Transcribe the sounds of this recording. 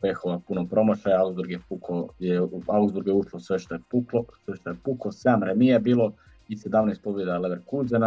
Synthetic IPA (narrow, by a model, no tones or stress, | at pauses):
pexoʋapunopɾo̞mot͡ʃaauɡzb̪uɾɡjepukojeauɡzdbuɾɡjeuʃlosʋeʃt̪ojepuklosʋeʃt̪ojepukosamɾemiebiːlˠo | ised̪aːʋnoispobjed̪ialeʋeɾkuzena